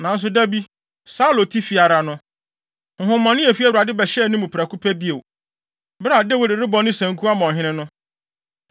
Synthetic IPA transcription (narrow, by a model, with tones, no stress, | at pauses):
nã˨n̩˦s̬ʊ˨dæ˦bi˦ | sa˦lo˨tʰi˦fi˨a˨ɾa˨nʊ̃˦ | h̩˨hʊ̃˦mã˨nɪ̃˦ɛ˨fi˦a˨wu˨a˨dɪ˦bɛ˨ɕɛ˦˨˦nʊ̃˦mũ˨pʰa˨kʰu˦pʰæ˦bi˦e˨w | bɾa˨dɪ˦wɔ˦˨dɪ˨ɾɪ˦bɔ˨˦nʊ̃˦sæ̃˨ŋ̩˦kʰu˦a˦mɔ̃˨ɦɪ̃˦nɪ̃˦nʊ̃˦